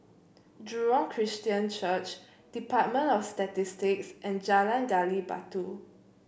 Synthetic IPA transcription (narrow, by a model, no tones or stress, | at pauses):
dɹuɔ̃ŋkʰɹistiə̃nt͡ʃət͡ʃ | d̥ipat̚mə̃nɔfstatistiksʔɛ̃nd͡ʒalãnɡaliba̰tu